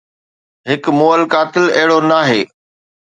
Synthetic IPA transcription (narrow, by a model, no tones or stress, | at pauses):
ɦɪkmoːəlkaːt̪ɪlɐɦɪɽonaːɦeː